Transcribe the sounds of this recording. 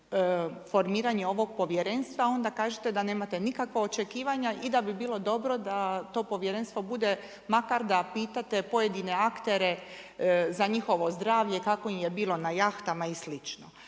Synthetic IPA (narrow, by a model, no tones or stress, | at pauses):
fo̞ɾmiːɾaɲeo̞ʋo̞ɡ̚po̞ʋjeɾe̞nst̪ʋao̞nd̪akaːʒet̪ed̪ane̞ːmat̪e̞nikakʋao̞t͡ʃe̞kiːʋaɲaʔid̪abibiːlˠo̞d̪o̞bɾo̞d̪at̪o̞po̞ʋjeɾe̞nst̪ʋo̞bud̪e̞ | makaɾd̪apiːt̪at̪e̞po̞jed̪ine̞akt̪e̞ɾe̞ | zaɲixo̞ʋozd̪ɾaːʋʎe̞kako̞imjebiːlo̞najaxt̪amaislit͡ʃno